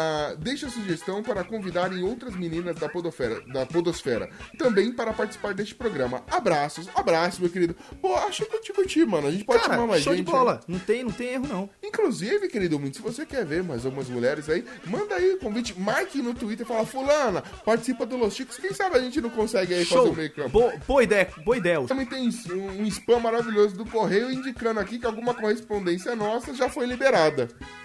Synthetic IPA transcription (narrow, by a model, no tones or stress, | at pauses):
d̪ejʃɐsuʒest̪ɐ̃w̃paɾɐkõvid̪aɾẽj̃owt̪ɾɐzminĩnɐzd̪ɐod̪ofɛɾɐ̰d̪ɐpod̪osfɛɾɐ̰t̪ɐ̃mbẽj̃paɾɐpaɾt͡ʃisi̥paɾd̪est͡ʃɪ̥pɾoɡɾɐ̃mɐabɾasʊsabɾasʊmewkeɾid̪ʊboaʃʊɪkʊt͡ʃipʊt͡ʃimɐ̃nʊɐʒẽnt͡ʃɪpɔd͡ʒt̪ãmaɾmazʒsẽt͡ʃɔlɐnɐ̃w̃t̪ẽj̃nɐ̃w̃t̪ẽj̃eɦʊnɐ̃w̃ĩŋkluzivɪkeɾid̪ʊmĩnsɪvosekɛɾveɾmajzawɡũmɐzmuʎɛɾɪzai | mɐ̃nd̪aiʊkõvit͡ʃɪmajkinʊt̪uit̪̬eɾfalɐfulɐ̃nɐ | paɾt͡ʃɪ̥sipɐd̪ʊlosʃikʊ̥skẽj̃sabɪɐʒẽnt͡ʃɪnɐ̃w̃kõsɛɡɪaiʃfazoẽmeɾkɐ̃boboɐid̪ɛjɐboid̪ɛjɐʊɐ̃mẽj̃t̪ẽj̃sũũispɐ̃maɾaviʎʲozʊd̪ʊkoɦejʊĩnd͡ʒikɐ̃nd̪ʊakikɪawɡũmɐkohespõnd̪ẽsiɐnɔsɐʒafojlibeɾad̪ɐ